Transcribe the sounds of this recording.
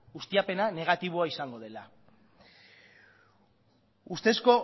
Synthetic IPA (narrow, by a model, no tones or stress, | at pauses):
ɣust̪iape̞nane̞ɣ̞at̪iβ̞oaisaŋɡo̞ð̞e̞la | ust̪e̞sko̞